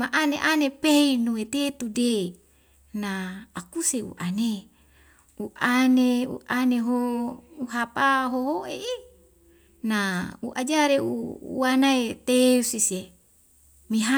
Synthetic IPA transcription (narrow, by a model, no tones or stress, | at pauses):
maʔanḛʔanepeinuwet̪et̪ude | naːkuseṵʔane | uʔaneṵʔaneɦouɦapaɦoɦoʔei | naṵʔad͡ʒaɾeṵṵanaet̪eusise | miɦa